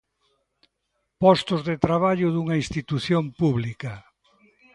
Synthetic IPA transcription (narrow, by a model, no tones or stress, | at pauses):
pɔst̪ozðet̪ɾaβ̞aʎʊðuŋɐĩst̪it̪uθjompuβlikɐ